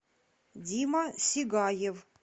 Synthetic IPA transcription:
dʲimasʲiɡajev

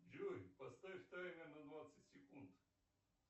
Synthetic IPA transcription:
d͡ʒoɾʲpɐst̪aift̪ajnʲɛnɐd̪vat̪sətʲsʲɛkunt̪

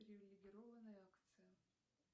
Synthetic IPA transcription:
ɾʲɪvʲɪlʲɪɡʲɪɾɔvɐnəjakt̪sɨjɐ

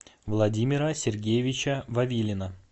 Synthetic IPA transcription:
vlˠɐdʲimʲɪɾəsʲɪrɡʲejɪvʲɪt͡ɕəvɐvʲilʲɪnə

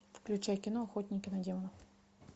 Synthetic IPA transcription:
fklʲʉt͡ɕæjkʲɪnoɐxot̪ʲnʲɪkʲɪnɐdʲemənɐ

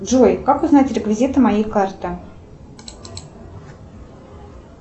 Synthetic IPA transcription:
dʐojkakʊznatʲɾʲɪkvʲɪzʲit̪ɨmajejkart̪ɨ

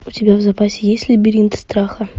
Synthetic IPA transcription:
ʊtʲɪbʲavzɐpasʲɪjesʲtʲlʲɪbʲɪɾʲint̪st̪ɾaxə

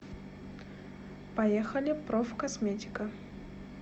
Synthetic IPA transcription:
pɐjexɐlʲɪpɾofkɐsmʲetʲɪ̥kə

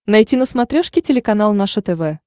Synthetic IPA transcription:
nɐjtʲinəsmɐt̪ɾʲoʂkʲɪtʲɪlʲɪkɐnalˠnaʂət̪ɛvɛ

